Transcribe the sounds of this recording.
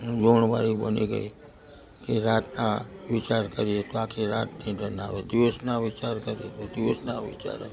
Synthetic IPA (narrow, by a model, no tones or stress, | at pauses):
d͡ʒoɳʋa̰ɾibə̰niɡə̰i | keɾat̪naʋit͡ʃaɾkəɾiet̪oakʰeɾat̪̚nid̪ənaʋed̪iʋəsnaʋit͡ʃaɾkəɾiet̪od̪iʋəsnaʋḭt͡ʃa̰ɾa̰e